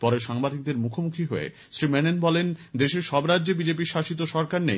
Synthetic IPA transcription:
pɔɾeʃaŋbad̪ʱik̚d̪eɾmukʰomukʰiɦoḛ | sɾimenenbɔlend̪eʃeɾʃɔbɾadːʑebid͡ʑep̬iɾʃaʃit̪̬oʃɔɾkaɾnḛj

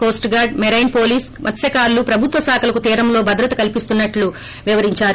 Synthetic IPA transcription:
ko̞ːsʈɡaːɾɖmɛɾɐjnpo̞ːliːsmʔɐt̪sjɐkaːɾlupɾɐbʱut̪ʋɐsaːkʰɐlɐkut̪iːɾɐmlo̞ːbɐd̪ɾɐt̪ɐkɐlipist̪unːɐʈlu | ʋiʋɐɾiɲt͡ʃaːɾu

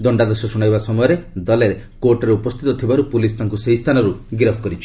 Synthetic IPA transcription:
d̪ɔɳɖad̪ɔsɔsuɽ̃ajbasɔmɔjɔɾed̪ɔleɾe | koɾʈɔɾeupɔst̪ʰit̪ɔt̪ʰibaɾupulist̪ʰaŋkuseist̪ʰanɔɾuɡɾɔpʰkɔɾit͡ʃʰi̥

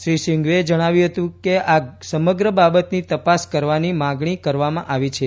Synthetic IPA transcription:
ʃɾiʃiŋɡʋed͡ʒəɽ̃aʋjũɦət̪ũkeasəməɡɾəbabət̪nit̪əpaskəɾʋanimãɡɳikəɾʋamãʔaʋit͡ʃʰe

